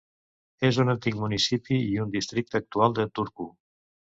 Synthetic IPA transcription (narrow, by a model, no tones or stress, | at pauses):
ezunant̪ik̚munisipiiund̪ist̪ɾik̚t̪əːk̚t̪ualˠd̪ət̪uɾku